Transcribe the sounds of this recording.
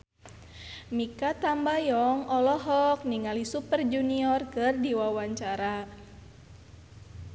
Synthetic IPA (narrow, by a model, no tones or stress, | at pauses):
mikat̪ambajɔŋɔlɔɦɔk̚niŋalisupərd͡ʒuniɔrkɨrdiwawaɲt͡ʃaɾa